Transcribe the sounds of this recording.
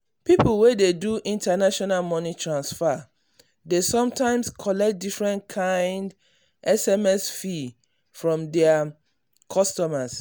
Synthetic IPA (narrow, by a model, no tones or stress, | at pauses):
piplwededuʔĩntanaʃɔnalmɔnitʰɹãnsfa | desɔ̃mtãɪ̃mskʰɔlɛk̚t̚difɹɛ̃nkʰãɪ̃nd | ʔɛsɛmɛsfi | fɹɔ̃mdɛa | kʰɔstɔmas